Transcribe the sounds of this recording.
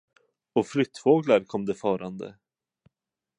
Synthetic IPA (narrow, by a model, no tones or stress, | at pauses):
ɔflʏt̪ːfoːɡlaɾkʰɔmːd̪ɛfœːɾand̪ə̰